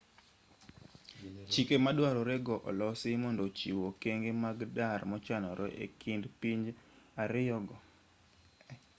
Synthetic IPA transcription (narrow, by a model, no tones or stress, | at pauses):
t͡ʃikemadwaɾɔɾeɡɔʔɔ̰lɔsɪmɔndot͡ʃiwokeŋɡemaɡdarmɔt͡ʃanɔɾʔɔʔḛkʰindpiɲd͡ʒaɾɪjɔɡɔ